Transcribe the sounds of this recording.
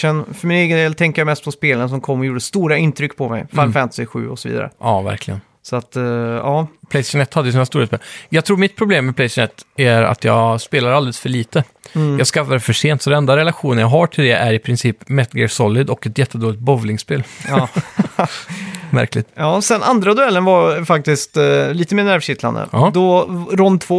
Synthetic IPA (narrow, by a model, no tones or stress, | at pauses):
ɛnfœɾmɪneːɡənd̪eːlt̪ʰɛŋkəɾjamɛst̪̚pʰɔspeːləns̬ɔmkʰɔmːɔjuːɖəst̪uːɾaɪnt̪ʰɾʏkːpʰɔmɛ̰jfɛmfɛmt̪sɪɧʉ̟̰ːɔsɔvḭːd̪a̰ɾə̰ʔɑːvæ̰ɾklɪɡə̰n | sɔat̪ɑːpʰlɛɪsɪ̥nɛt̪ːhad̪ːəjʉsiːnst̪uːɾaspeːljɑɡt̪ʰɾuːmɪt̪̚pʰɾʊbleːmːɛpʰlɛsnɛt̪ːæɾa̰t̪ʰjɑ̰ːspeːlaɾalɛləsfœɭiːt̪ə | jɑːɡskafad̪ɛfœʂeːnt̪sɔd̪ɛnɛnd̪aɾɛlaɧuːnənjɑɡɦaʈʰɪld̪ɛʔæɾɪpʰɾɪnsiːpmɛt̪ɡɛsɔlːɪd̪ɔkːɛt̪jɛt̪ːəd̪oːlɪt̪̚bɔvlɪŋspeːlː | mæ̰ɾklɪ̰t̪ɑːsɛnʔa̰nd̪ɾad̪ɵɛlːənvaɾfak̚t̪ɪst̪liːt̪əmeːɳæɾvʂɪt̪la̰nd̪ə̰ɑːd̪ɔɾɔnt̪ʰvoː